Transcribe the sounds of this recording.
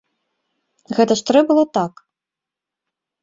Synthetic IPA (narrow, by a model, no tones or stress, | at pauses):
ɣɛt̪ɐʂt̪ɾɛbɨlˠɔt̪ak